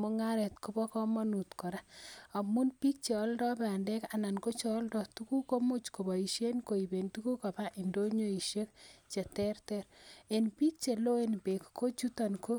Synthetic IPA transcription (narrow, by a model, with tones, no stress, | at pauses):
mo˦ŋa˦ɾɛ˨tko˦bɔ˦kɔ˦mɔ˦nu˨tkɔ˨ɾa˦a˨mu˦npi˦k̚t͡ʃe˨ɔ˦ldɔ˦pɛ˨a˨nde˦ka˨na˨nko˦t͡ʃɔː˨˦ldɔ˨tu˦ku˦ko˦mu˦t͡ʃko˨bɔ˨i˨ʃje˦nko˨i˨be˨ntu˦ku˦ka˨pa˦ʔi˨ndo˦ɲo˦i˨ʃe˦k̚t͡ʃe˨tɛ˦rtɛɾe˨npi˦k̚t͡ʃe˨lo˦e˦npe˨kko˦t͡ʃu˦ta˨nko˦